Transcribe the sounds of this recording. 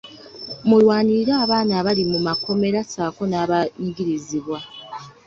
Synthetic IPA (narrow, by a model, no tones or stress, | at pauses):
mulwaːniɾaːβaːnaβalimumako̞me̞ɾasaːko̞naːβaɲiɡiɾiziβwa